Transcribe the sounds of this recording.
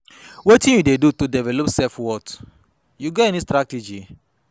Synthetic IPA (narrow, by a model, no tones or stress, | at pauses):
wetĩnjudedutudɛvɛlɔpsɛfwɔt | juɡɔtɛnistɾated͡ʒi